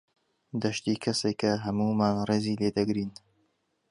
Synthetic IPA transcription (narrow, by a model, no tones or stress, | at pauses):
d̪ɐʃt̪iːkʰɐsekɐɦɐmuːmaːnreːziːleːd̪ɐɡɾiːn